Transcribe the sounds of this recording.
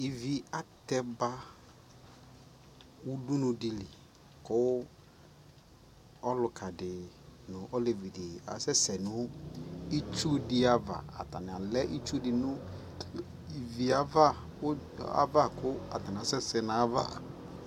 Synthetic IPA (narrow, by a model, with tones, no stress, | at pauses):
i˨vi˨a˨tɛ˦ba˦ | wu˦du˦nʊ̃˨dɪ˨lɪ˨ | kʊ˦ | ɔ˦lʊ˨kʰa˨dɪ˨nʊ˨ʔɔ˦le˨vi˨dɪ˨a̰˨sɛ˦sɛ˨nʊ̃˦ | i˦t͡ʃu˦dɪ˦a˨va̰˨a̰˨ta˨n˨a˨lɛ˦ʔi˦t͡ʃu˦dɪ˨nʊ̃˦ | i˨vi˨a˨va˦ | ʊ˦ | a̰˦va˦˨kʊ˦a̰˨ta˨n˨a˨sɛ˦sɛ˨na˨˦va̰˦˨